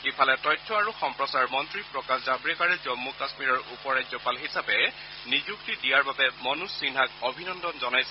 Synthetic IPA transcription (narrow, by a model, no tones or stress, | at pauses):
xipʰalɛtɔjtʰːɔaɹuxɔmpɹɔsaɹmɔntɹipɹɔkaszabɹikaɹɛzɔmːukasmiɹɔɹupɔɹajzɔpalɦisapɛ | nizuk̚tidijaɹbabɛmɔnusːinɦakobʱinɔndɔnzɔnajsɛ